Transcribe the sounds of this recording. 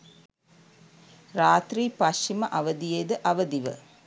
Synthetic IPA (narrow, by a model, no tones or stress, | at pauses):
ɾaːt̪ɾiːpɐʃt͡ʃiməʔɐʋəd̪ijed̪əʔɐʋəd̪iʋə̰